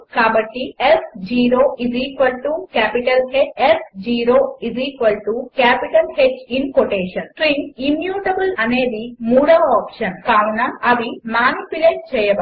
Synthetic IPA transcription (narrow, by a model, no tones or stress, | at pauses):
kaːbɐʈːiesd͡ʒiːɾoːiziːkʋɐlʈukaːpiʈɐlɦeesd͡ʒiːɾoːiziːkʋɐlʈukaːpiʈɐlhed͡ʒinkoʈeːʃɐnʈɾiŋimjuːʈɐbɨlɐneːd̪imuːɽɐʋɐaːpʃɐnkaːɾunɐɐʋimaːnipjuleːʈ̚t͡ʃɛjɐb